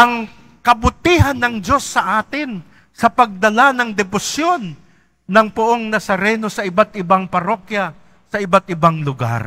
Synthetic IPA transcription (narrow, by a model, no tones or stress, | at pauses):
ʔɐŋ | kɐbʊt̪iːɦɐnːɐŋd͡ʒo̞sːɐʔaːt̪ɪn | sɐpɐɡ̚d̪ɐlanɐŋd̪ɛbʊsjo̞nː | ɐŋpʊʔoŋnɐsɐɾɛno̞sɐʔɪbat̪̚ʔɪbaŋpɐɾo̞kjɐ | sɐʔɪbat̪̚ʔɪbaŋlʊɡa̰ɾ